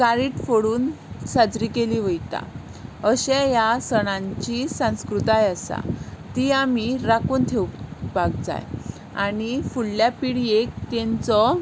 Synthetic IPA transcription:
kaɾiːʈfoɽuːn | sad͡zɾiːkeliʋəjt̪a̰ | əɕɛ̃jasəɽ̃ãɲt͡ɕisãw̃skɾut̪ajasa̰t̪iamiɾakuːnt̪ʰewbaɡ̚d͡za̰j | aɽifuɽljapiɽiek̚t̪ɛ̃nt͡sɔ

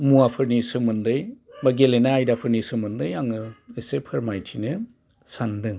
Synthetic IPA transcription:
muapʰɯɾnisɯmɯndɯjbaɡelenaajdapʰɯɾnisɯmɯndɯjaŋɯesepʰɯɾmajtʰinɯ | sandɯŋ

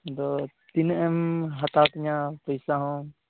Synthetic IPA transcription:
d̪ɔt̪inɛmɦɐt̪aːt̪iɲãpəjsaɦɔ̃

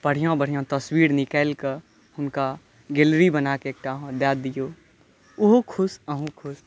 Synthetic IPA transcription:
pəɽ̤ijõbəɽ̤ijõt̪əswiːɾnɪkəːɪlkəɾ | hʊnka | ɡelɾibənaːkeeːk̚ʈaɦõd̪jaːd̪ijo | ʊɦokʰʊsəɦũkʰʊs

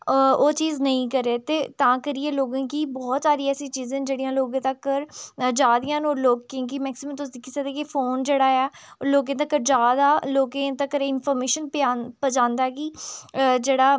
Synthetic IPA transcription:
oːt͡ʃiːznəĩːkəɾeːt̪eːt̪ãːkəɾieːloːɡãːkiːbɔːt̪saːɾiːɛːsĩːt͡ʃiːzẽːnd͡ʒeːɽijãːloːɡẽːt̪əkːəɾd͡ʒaːd̪ijãːnoːloːɡkõːkimɛːksɪməmt̪ʊs̬d̪iːkʰisəd̪eːkifʰoːnd͡ʒeːɽaːɛːloːkẽːt̪əkːəɾd͡ʒaːd̪aːloːkẽːt̪əkːəɾeɪnpʰɔːɾmeːʃənpapəd͡ʒãːnd̪aːɛkiːd͡ʒeːɽaː

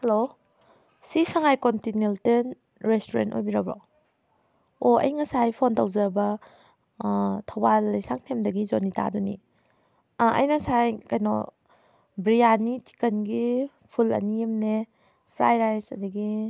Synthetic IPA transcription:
helo | sisaŋajkontinelten | ɾestoɾḛnto̰jbiɾabɾɔ̰ | oɐ̰jŋasajpʰontawzaɾbɐ | tʰawbalːɐjsaŋ̚tʰemdɐɡizonita̰dunḭ | ɐ̰jnasajkajnɔ̰ | bɾijaniti̥kɐnɡi | pʰulɐ̰nijemne | pʰɾa̰jɾajsɐ̰dɐɡi

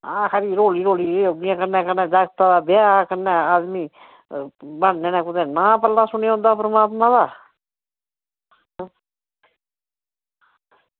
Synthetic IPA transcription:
ãːkʰaɾiːɾoːliːɾoːliːoiãːkənɛ̃ːkənɛ̃ːd͡ʒaːɡt̪aːd̪aːbɪaːkənːɛ̃ːaːd̪miː | bannẽːnɛ̃ːkʊd̪ẽnaːpəlːaːsʊneɦõnd̪aːpɾəmaːt̪mãːd̪aː

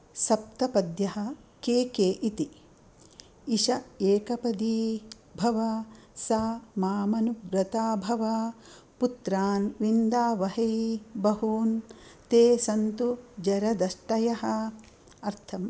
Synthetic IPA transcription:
sɐp̚t̪ɐpɐd̪jɐɦɐ̆keːkeːʔit̪i | iʃɐeːkɐpɐd̪iː | bʱɐʋɐsaːmaːmɐnubɾɐt̪aːbʱɐʋɐ | put̪ɾaːnʋind̪aːʋɐɦɐjbɐɦuːnt̪eːsɐnt̪ud͡ʒɐɾɐd̪ɐʃʈɐjɐɦɐ̆ | ɐɾt̪ʰɐm

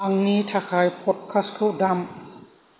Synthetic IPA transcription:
aŋniːt̪ʰakʰaːjpʰot̪̚kʰaskʰɯdam

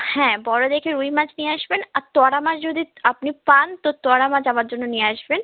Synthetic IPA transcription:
hɛ̃bɔːɾod̪eːkʰeɾuimãt͡ʃniaːʃbɪnat̪ɔːɽamãd͡ʒd͡ʒod̪iɐpnipaːnt̪ot̪ɔːɽamãd͡ʒaʋaːt̪d͡ʒonõnĩaːʃbɪn

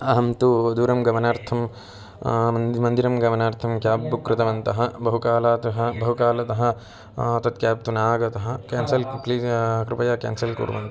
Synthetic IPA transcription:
ɐɦɐmt̪ud̪uːɾɐmɡɐmɐnaːɾt̪ʰɐm | mɐnd̪ʱiɾɐmɡɐmɐnaːɾt̪ʰɐmkjaːbːukɾɪt̪ɐʋɐnt̪ɐɦɐ̆bɐɦukaːlaːt̪ɐɦɐbɐɦukaːlɐt̪ɐɦɐ̆ | ɐt̪ɐt̪̚kjaːp̚t̪unaːɡɐt̪ɐɦɐ̆kaːnsɐlklikɾupɐjaːka̰ːnsɐlkṵːɾʋɐ̰nt̪ɐ

